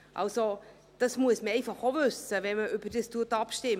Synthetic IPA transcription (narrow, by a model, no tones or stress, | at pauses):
ʔɑ̰lso | d̥ɑsmuəsməɛɪfɑχovʏsəvɛnməʏb̥ədəstuətɑpʃtɪm